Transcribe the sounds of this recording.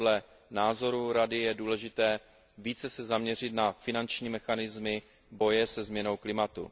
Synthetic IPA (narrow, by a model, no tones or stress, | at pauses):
dlɛ | naːzo̞ɾuɾadɪjɛduːlɛʒɪt̪ɛː | viːt͡sɛsɛzamɲɛr̝ɪt̪nafɪnant͡ʃɲiːmɛxanɪzmɪ | bo̞jɛsɛzmɲɛno̞wklɪmat̪ṵ